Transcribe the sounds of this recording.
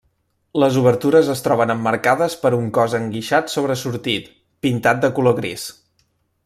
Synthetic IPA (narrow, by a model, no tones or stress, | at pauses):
ləzuβəɾt̪uɾəzəst̪ɾɔβənəmːəɾkaðəspəɾuŋkɔzəŋɡiʃat̪soβɾəsuɾt̪it̪ | pint̪at̪̚d̪əkuloɣɾis